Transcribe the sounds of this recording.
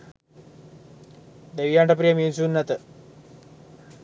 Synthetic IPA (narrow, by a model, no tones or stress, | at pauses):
d̪eʋijaɳʈɐp̬ɾijɐmint͡sunːɐt̪ə